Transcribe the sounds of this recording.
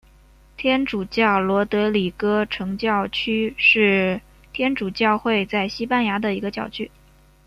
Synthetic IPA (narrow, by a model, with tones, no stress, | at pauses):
t̪ʰjɛ˥nʈ͡ʂu˨˩t͡ɕjɑ˥˩ʊlwɔ˧˥t̪ɤ˧˥li˨˩kɤ˥ʈ͡ʂʰɤ˧˥ŋt͡ɕjɑ˥˩ʊt͡ɕʰy˥ʂɻ̩˥˩ | t̪ʰjɛ˥nʈ͡ʂu˨˩t͡ɕjɑ˥˧ʊxwe˥˧ɪt͡sa˥˩ɪɕi˥pa˥˧nja˧˥d̪ə˨i˧˥ɡə˧t͡ɕjɑ˨˩ʊt͡ɕʰy˥